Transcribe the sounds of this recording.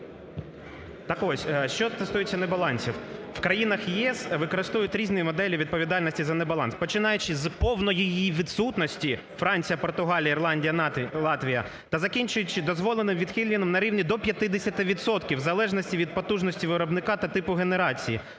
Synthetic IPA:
t̪ɐkɔsʲʃt͡ʃɔt̪est̪ujet͡sʲːɐnebɐlˠɑnʲsʲiww̥kɾɐjinɐxjiɛsʋɪkɔɾɪst̪ujʊtʲɾʲiznʊjimɔd̪ɛlʲiʋʲid̪̚pɔʋʲid̪ɑlʲnɔsʲtʲizɐnebɐlˠɑ̰nspɔt͡ʃɪnɑjʊt͡ʃɪzpɔwnɔjijiʋʲid̪sut̪nɔsʲtʲi | fɾɑnʲt͡sʲijɐpɔrt̪ʊɦɑlʲijɐirlˠɑnʲdʲijɐlˠɑt̪ʋʲijɐ | t̪ɐzɐkʲinʲt͡ʃʊjʊt͡ʃɪd̪ɔzʋɔlˠenɪmʋʲid̪xʲilʲinɔmnɐɾʲiwnʲid̪ɔpʲjɐt̪ɪd̪esʲɐt̪ɪʋʲid̪sɔt̪kʲiwzɐlˠɛʒnɔsʲtʲiʋʲid̪̚pɔt̪uʒnɔsʲtʲiʋɪɾɔbnɪkɑt̪ɐt̪ɪpʊɦeneɾɑt͡sʲiji

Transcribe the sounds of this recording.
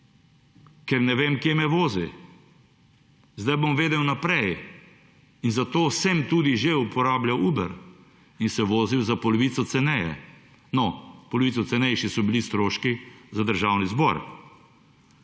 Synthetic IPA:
kɛɾnɛʋeːmkjemɛʋoːzi | zd̪ajbomʋeːd̪ɛwnapɾɛj | inzat̪oːsɛmt̪uːd̪iʒeupɔɾaːblʲjawuːbə̰ɾ | insɛʋoːziwzapɔlɔʋiːt̪sɔt̪sɛnɛjɛ̰ | nɔpɔlɔʋiːsɔt̪ɛnɛjʃisɔbilist̪ɾoːʃkizad̪əɾʒaːwnizbɔ̰ɾ

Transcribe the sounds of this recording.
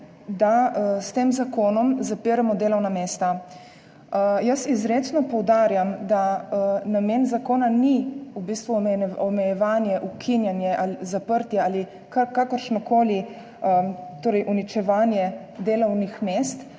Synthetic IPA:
d̪ast̪eːmzakoːnɔmzapiːɾamɔd̪eːlɔwnameːst̪a | jəsizɾeːt͡s̪nɔpɔwd̪aːɾjamd̪anameːnzakoːnaniubiːst̪ʋumɛɔmɛjɛʋaːnjɛʔukʰinjɛnjɛʔalizapəɾt̪jɛaːli | kakakəɾʃnɔkoːli | ət̪oːɾɛjʔunit͡ʃɛʋaːnjɛd̪eːlɔwnixmeːst̪

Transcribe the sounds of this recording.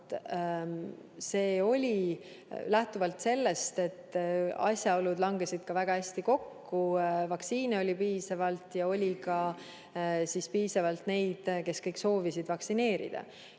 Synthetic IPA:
se̞ːo̞lʲi | læht̪uvɑlt̪se̞lːe̞st̪e̞t̪ːɑ̰sʲjɑolud̪lɑŋɡesid̪̥kɑvæɡ̥ɑhæsʲt̪iko̞kːuvɑksiːneo̞lʲipiːsɑvɑlt̪jɑo̞lʲikɑ | sispiːsɑvɑlt̪ne̞jd̪̥ke̞skɤjkso̞ːvisid̪vɑksine̞ːɾḭd̪̥ɑ̰

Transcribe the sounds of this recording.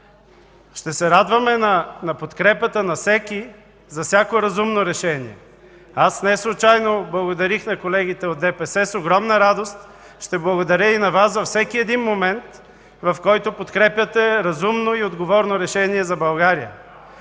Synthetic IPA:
ʃt̪ɛsɛɾad̪vɐmɛnɐnɐpot̪kɾɛpət̪ənɐfsɛki | zɐfsʲakoɾɐzumnoɾɛʃɛnḭɛ̰ | asnɛslˠut͡ʃajnoblˠɐɡod̪ɐɾixnɐkolɛɡ̟it̪ɛod̪ɛpɛsɛsoɡɾɔmnəɾad̪ost̪ | ʃt̪ɛblˠɐɡod̪ɐɾʲəinɐvasvɐfsɛkiɛd̪inmomɛnt̪ | vɐfkɔjt̪opot̪kɾɛpʲjɐt̪ɛɾɐzumnoiod̪ɡovɔɾnoɾɛʃɛniɛzɐbɐlˠɡaɾijə̰

